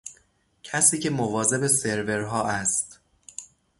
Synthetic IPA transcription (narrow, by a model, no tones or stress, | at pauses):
cʰæsiːcʰe̞movɒːze̞be̞se̞ɾve̞ɾɦɒːʔæst̪